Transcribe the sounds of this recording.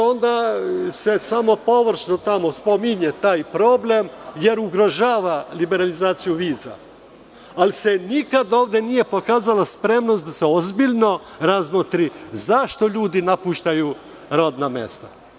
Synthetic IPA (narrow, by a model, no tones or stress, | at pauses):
o̞nd̪ase̞samo̞po̞ʋr̩ʃnot̪amospo̞miɲet̪aːjpɾo̞ble̞mje̞ɾuɡɾo̞ʒaːʋalibe̞ɾalizaːt̪sijuʋiːza̰ | alise̞nikad̪o̞ːʋd̪jenije̞po̞kaːzalaspɾe̞mnost̪d̪aseozbiʎno̞ | ɾazmot̪ɾizaʃt̪o̞ʎuːd̪inapuʃt̪aju | ɾod̪namḛst̪a̰